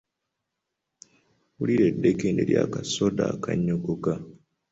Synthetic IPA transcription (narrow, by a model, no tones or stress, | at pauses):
uliɾedːekindeɾja̰ːkasodaːkʰaɲːukuka